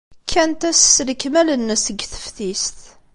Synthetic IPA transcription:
kʰːænt̪æsːləkmælənːəsəɡθə̥fθist̪

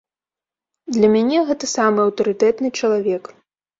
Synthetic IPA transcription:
d̪lʲɐmʲanʲɛɣɛt̪ɐsamɨɐwt̪ɐɾɨt̪ɛt̪nɨt͡ʂɐlˠavʲɛk

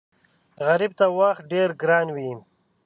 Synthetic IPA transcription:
ɣaɾib̚t̪awaxt̪̚ɖeɾɡɾɑːnwi

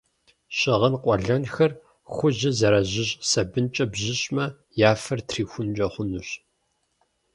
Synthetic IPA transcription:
ɕʼɪʁɐnqʷʼɔɮɐnxɐr | xʷʊʑɐzɐɾɐʑɪɕsɐbɨnt͡ʃʼɐbʑɪɕʼmɐ | jaːfɐrtʰriːxʷʊnd͡ʒʼɐχʷʊnʊɕ

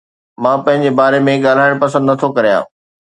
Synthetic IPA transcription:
mãːpɐ̃ɦɪ̃ɲ̆d͡ʑebaːɾemẽɠaːl̤aːɪɽ̃pɐs̬ə̃nd̪nɐt̪ʰokɐɾijã̰ː

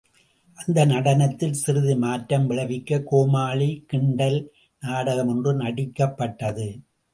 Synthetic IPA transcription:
ʔɐnd̪ɐnɐɽɐnɐt̪ːɪlsɪɾɯðɪmaːtɾɐmʋɪɭɐʋɪkːɐkoːmaːɭikɪɳɖɐl | naːɽɐɣɐmɯndrɯnɐɽɪkːɐpːɐʈːɐðɯ

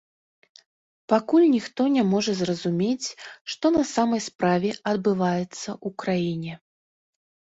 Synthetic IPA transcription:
pakulʲnʲixt̪ɔnʲamɔʐɐzrɐzumʲet͡sʲʂt̪ɔnɐsamɐjspɾavʲɛɐd̪bɨvajɛt̪sːɐʔukɾajinʲɛ

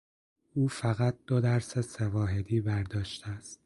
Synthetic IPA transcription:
uːfæɣæt̪̚d̪̥od̪æɾsesevɒːɦe̞d̪iːbæɾd̪ɒːʃt̪ʰeæst̪̚

